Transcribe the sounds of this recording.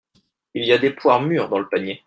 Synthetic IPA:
ilijad̪epwaʁmyːʁd̪ɑ̃ləpaɲje

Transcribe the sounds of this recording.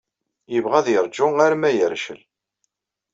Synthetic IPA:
jəvʁæðjɾˤd͡ʒʊaɾmæjəɾʃə̰l

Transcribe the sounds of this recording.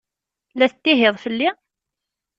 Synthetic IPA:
læθət̪ːiɦeðˤfəlːi

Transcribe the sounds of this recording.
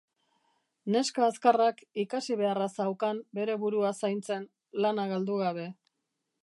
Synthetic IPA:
ne̞skaːskarakikasiβ̞e̞arasawkambe̞ɾe̞βuɾuasajnt͡se̞n | lanaɣald̪uɣaβe̞

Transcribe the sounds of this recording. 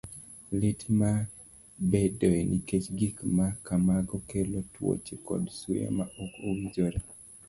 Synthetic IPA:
lɪtma | bedoenʔiket͡ʃɡikmakamaɡɔkelotwo̰t͡ʃekɔ̰dsuja̰maʔokowid͡ʒoɾe

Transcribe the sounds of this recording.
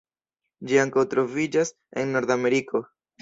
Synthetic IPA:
d͡ʒiaŋkawt̪ɾo̞vid͡ʒas | enːo̞ɾd̪ame̞ɾiko̞

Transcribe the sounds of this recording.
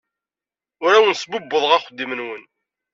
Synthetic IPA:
ʊɾawənsbʊbːəðˤʁæχəd̪ːimənwən

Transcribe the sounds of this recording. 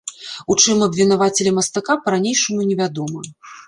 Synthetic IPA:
ut͡ʂɨmɐbʲvʲin̪avat͡sʲɛlʲɛmɐst̪akapɐɾanʲejʂɐmunʲɛvʲad̪ɔmɐ

